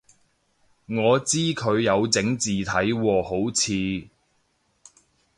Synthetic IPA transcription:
ŋɔː˨˧t͡siː˥kʰɵ˨˧ɥjɐ˨˧wt͡sɪ˨˥ŋt͡siː˨t̪ʰɐ˨˥jwɔː˧ho˨˥wt͡sʰiː˨˧

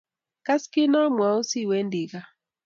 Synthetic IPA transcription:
ka˦skɪ˦nɔ˦mwa˨o˦si˦˨wɛ˦ndi˨ɣa˦

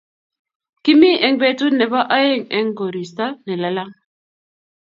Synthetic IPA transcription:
ki˦mi˦ʔɛ˨ŋbɛ˦tu˦nɛ˨βa˦ʔa˦je˦˨ŋɛ˦ŋɡo˨ɾi˨sta˦nɛ˨la˨la˦ŋ

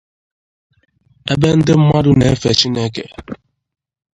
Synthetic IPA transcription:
e˦be˦n̩˦dɪ˦m̩˦ma˦du˦ne˨e˦fe˨t͡ʃi˦ne˦kḛ˨

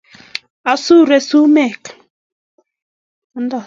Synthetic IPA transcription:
a˨su˦˨ɾe˨su˦mɛ˦˨k | a˨˦n˦da˨

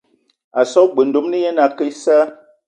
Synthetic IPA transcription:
a˨sɔ˦ɡ͡bə˨n̩˨do˨˦mnə˦jɛ˦na˨kə˦sa˦

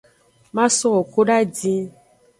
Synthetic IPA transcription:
mã˦sɔ˦wɔ˨ko˦ɖa˦d͡ʒĩ˧

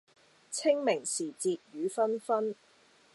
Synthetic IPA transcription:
t͡sʰɪ˥ŋmɪ˨˩ŋsiː˨˩t͡siː˨t̚jyː˨˦fɐ˥nfɐ˥n

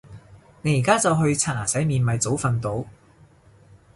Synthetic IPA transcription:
ne˨˧jiː˨˩kaː˥t͡sɐ˨wɦɵ˧ɥt͡sʰaː˨˩naː˨˩sɐ˨˥jmiː˨˧nmɐ˨jt͡so˨˥wfɐ˨˧nt̪o˨˥w

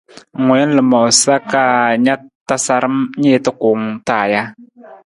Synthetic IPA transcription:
ŋʷɛ˨˦n˦lɨ˨ma˨wsa˦ka˦ɲa˦ta˦sa˨ɾɨ˦mɲe˦tɨ˦kʊ˨˦ŋtaː˨ja˦

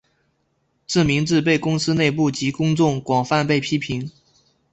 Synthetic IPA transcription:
ʈ͡ʂɻ̩˥˩mi˧˥ŋʈ͡ʂɻ̩˥˧p̬e˥˩ɪkʊ˥ŋsɹ̩˥ne˥˧ɪp̬u˥˩t͡ɕi˧˥kʊ˥ŋt͡sʊ˥˩ŋkwɑ˨˩ŋfa˥˧npe˥˩ɪpʰi˥pʰi˧˥ŋ

